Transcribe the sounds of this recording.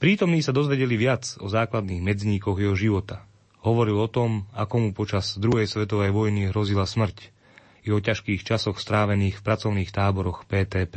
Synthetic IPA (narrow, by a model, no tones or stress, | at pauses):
pɾiːt̪ɔmniːsad̪ɔzʋɛɟɛliʋɪad͡zɔ̰zaːklad̪niːɣmɛd͡zɲiːkɔɣjɛɦɔʒiʋɔt̪a | ɦɔʋɔɾilɔt̪ɔmakɔmupɔt͡ʃazd̪ɾuɦɛjsʋɛt̪ɔʋɛjʋɔjniɦɾɔzilasmr̩c | iɔcaʃkiːxt͡ʃasɔxst̪ɾaːʋɛniːxfpɾat͡sɔʊniːxt̪aːbɔɾɔxpɛːt̪ɛːpɛ